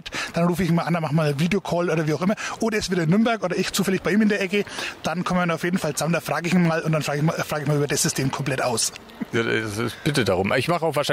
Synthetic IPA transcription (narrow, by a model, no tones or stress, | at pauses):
td̥anʁuːfəɪçnmaːlʔandanmaχxmaːlviːdejokʰɔːlʔoːdɐviːaʊxʔɪmɐʔoːdɐɛsv̥eːdɐɪnːʏɐmbɛɐkʔoːdɐɪçt͡suːfɛlɪçb̥aɪiːmɪndeːɐʔɛkəd̥ankʰɔmmanaʊfjeːdn̩falt͡samndaːfʁ̥aːɡəɪçinmaːlʊntd̥anfʁaːɡɪmfʁ̥aːɡəɪçmaːlyːbɐdasz̥ʏstʰeːmkʰɔmplɛtʔaʊs | jaːdasɪ̰sb̥ɪtədaʁʊmʔɪçmaχəaʊxvaːʃa